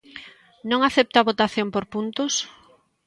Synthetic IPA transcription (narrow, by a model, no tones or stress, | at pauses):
nõŋaθɛp̚t̪aβot̪aθjompoɾpunt̪ʊs